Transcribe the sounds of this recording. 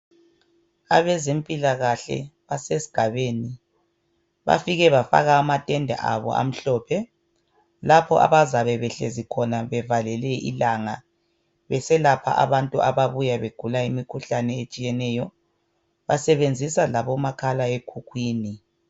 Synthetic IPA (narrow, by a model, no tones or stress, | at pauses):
aβɛzempʼilaɣaɬɛ̰βasesi̥ɡ̥ʱaβeːni | βa̰fiɣɛβafa̰ɣaːmatʼɛndʱa̰ʔaβɔ̰a̰m̩ɬɔːpʰɛ | lapʰɔʔa̰βazaβɛβɛɬḛzikʰɔnaβɛvalɛlɛʔḭlaŋa | βɛsɛlapʰa̰ʔa̰βantʼuaβaβujaβeɡ̥ʱulaimikʰuɬanɛet͡ʃʼijɛnɛːjɔ | βa̰sɛβend͡zʱisalaβɔmakʰalaekʰukʰwiːni